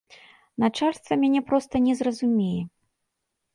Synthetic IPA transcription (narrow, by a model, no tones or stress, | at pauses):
nat͡ʂalʲst̪vɐmʲanʲɛpɾɔst̪ɐnʲɛzrɐzumʲɛjɛ